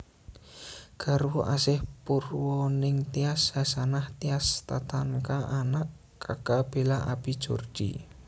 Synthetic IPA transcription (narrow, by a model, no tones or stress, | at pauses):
ɡ̥aɾwuʔasɪhpurwɔnɪŋt̪iashasanaht̪iast̪at̪ankaʔanaʔ | kakab̥elaʔabid̥ʒ̥o̰rd̥ḭ